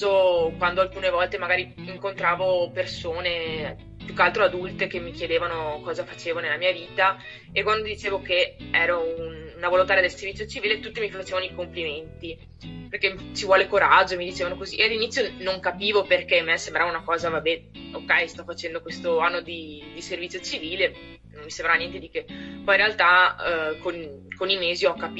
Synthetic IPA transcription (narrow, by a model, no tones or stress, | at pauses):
okwand̪oalkuːnevɔlt̪emaɡaːɾiiŋkont̪ɾaːvopersoːne | pjukːalt̪ɾoad̪ult̪ekemːikjed̪eːvanokɔːzafat͡ʃeːvonelːamiːaviːt̪a | ekwand̪od̪it͡ʃeːvokeɛːɾoununavolont̪aɾjad̪elseɾrvit̪sjot͡ʃiviːlet̪ut̪ːimifat͡ʃeːvanoikompliment̪i | perket͡ʃivwɔːlekoɾad͡ʒːomid̪it͡ʃeːvanokoziʔealːinit̪sjonoŋkapiːvoperkemːeasembɾavaunakɔːzavabɛokːɛjst̪ɔfːat͡ʃɛnd̪okwest̪oanːod̪id̪iservit̪sʲːjot͡ʃiviːle | nommisembɾanjɛnt̪ed̪ikepɔjiɾealt̪akonkonimeːziɔkːap